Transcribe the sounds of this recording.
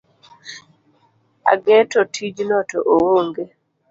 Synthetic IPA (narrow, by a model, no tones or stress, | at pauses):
a̰ɡɛtɔtʰid͡ʒnɔtɔʔowoŋɡe